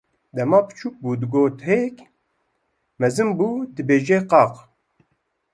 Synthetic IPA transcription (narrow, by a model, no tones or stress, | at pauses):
d̪ɛmɑːpɨ̥t͡ʃʰuk̚buːd̪ɨɡoːt̪hek | mɛzɨmbuːd̪ɨbeːʒeqɑːq